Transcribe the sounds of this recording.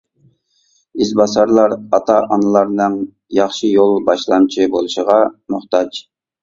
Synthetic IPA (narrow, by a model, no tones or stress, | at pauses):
izbɑsɑɾlˠɑɾɑt̪ʰɑʔɑnɨlˠɑɾnɨŋ | jɑχʃijolˠbɑʃlˠɑnt͡ʃʰibolˠuʃəʁɑmuχt̪ɑd͡ʒ